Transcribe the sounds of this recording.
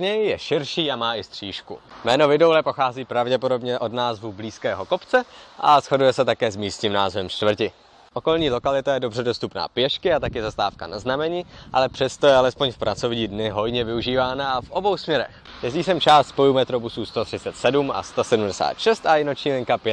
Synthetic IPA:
ɲɛjjɛʃɪɾʃiːamaːʔɪst̪r̥iːʃkumɛːno̞vɪdo̞wlɛpo̞xaːziːpɾavɟɛpo̞do̞bɲɛʔo̞dnaːzvubliːskɛːɦo̞ko̞pt͡sɛʔa̰sxo̞dujɛsɛt̪akɛːzmiːst̪ɲiːmnaːzvɛmt͡ʃt̪vr̩cɪ | ʔo̞ko̞lɲiːlo̞kalɪt̪ajɛdo̞br̝ɛdo̞st̪upna̰ːpjɛʃkɪat̪akjɛzast̪aːfkanaznamɛɲiːʔa̰lɛpr̥ɛst̪ojɛalɛspo̞ɲfpɾʔat͡so̞vɲiːdnɪɦo̞jɲɛvɪuʒiːvaːnaʔafʔo̞bo̞wsmɲɛɾɛ̰x | jɛzɟiːsɛmt͡ʃaːst̪spo̞juːmɛt̪ɾo̞busuːst̪o̞t̪r̥ɪt͡sɛt̪sɛduma̰st̪osɛdumdɛsa̰ːt̪ʃɛst̪ʔajɪno̞t͡ʃɲiːlɪŋkapjɛt̪

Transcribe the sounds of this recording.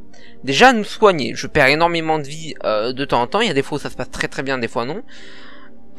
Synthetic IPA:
d̪eʒaːnuswaɲḛʒəpɛʁenɔʁmemɑ̃d̪əvi | ød̪ət̪ɑ̃zɑ̃t̪ɑ̃iljad̪efwausasə̥past̪χɛt̪χɛbjɛ̃d̪efwanɔ̃

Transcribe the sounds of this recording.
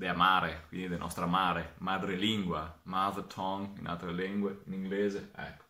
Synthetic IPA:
d̪eamaːɾekwind̪id̪enʔɔ̰st̪ɾamaːɾemad̪ɾeliŋɡwamaðət̪ʰɔŋḭnʔa̰d̪ɾeleŋɡweiniŋɡleːzeɛ̰k

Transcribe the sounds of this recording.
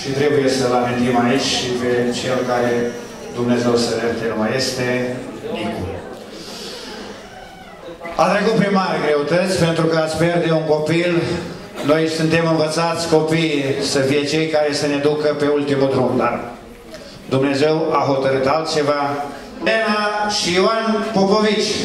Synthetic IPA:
ʃit̪ɾe̞buje̞səlament̪imait͡ʃʲʃipe̞t͡ʃelokaɾe | d̪umne̞ze̞wsəɾet̪enumaje̞st̪e̞nikṵ | at̪ɾekut̪̚pɾimaɾɡɾe̞ut̪ət̪sʲpe̞nt̪ɾukəat̪sʲpje̞rd̪e̞uŋko̞pil | no̞jsunt̪e̞mɨnvət̪sat̪sʲko̞pijsəfije̞t͡ʃe̞jkaɾe̞səne̞d̪ukəpe̞ult̪imud̪ɾumd̪ar | d̪umne̞ze̞waɦo̞t̪əɾɨt̪alt̪̚t͡ʃe̞va | lenaʃioanpoko̞vit͡ʃʲ

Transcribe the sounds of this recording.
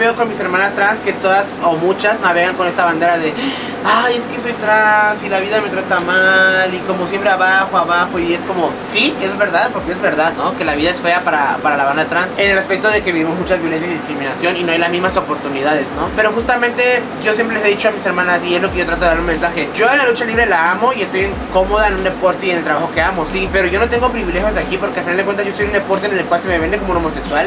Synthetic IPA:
βe̞oko̞nmise̞ɾmãnast̪ɾanske̞t̪o̞ðaso̞mut͡ʃazmaβeɣaŋko̞nest̪aβand̪e̞ɾaðe̞ | aje̞skeso̞jt̪ɾansilaβiðame̞t̪ɾat̪amaliko̞mo̞sje̞mpɾe̞aβaxo̞aβaxo̞ie̞sko̞mo̞sie̞zβe̞ɾðaðpo̞ɾkeezβe̞ɾðaðno̞ke̞laβiðae̞sfe̞apaɾapaɾalaβand̪at̪ɾansene̞laspek̚t̪o̞ðe̞keβiβimo̞zmut͡ʃazβjolensjasiðiskɾimĩnasjo̞nino̞ajlazmizmaso̞po̞ɾt̪uniðað̞e̞zno̞peɾo̞xust̪amẽnt̪e̞ | ɟ͡ʝo̞s̬jempɾeleseðit͡ʃo̞amise̞ɾmãnasiezloke̞ʝo̞t̪ɾat̪oaɾunmẽ̞nsaxe̞ɟ͡ʝo̞enlalut͡ʃaliβɾe̞laamo̞iest̪ojeŋko̞mo̞ðaenũnd̪e̞po̞ɾt̪eienelt̪ɾaβaxo̞ke̞amo̞sipe̞ɾo̞ʝo̞not̪e̞ŋɡo̞pɾiβile̞xjo̞zðakipoɾkealfinaldekwent̪azʝostojune̞po̞ɾt̪̬enelkwalseme̞βe̞nd̪ekomouno̞mo̞se̞kswal

